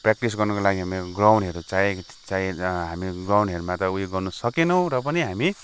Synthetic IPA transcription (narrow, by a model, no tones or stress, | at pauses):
prak̚ʈis̬ɡʌrnʌkolaɡiɦameɡrawnɦeɾot͡saĩt͡sãĩɦamiɡrawɳɖɦeɾmat̪ʌuiɡʌrnusʌkenʌw̃ɾʌp̬ʌniɦami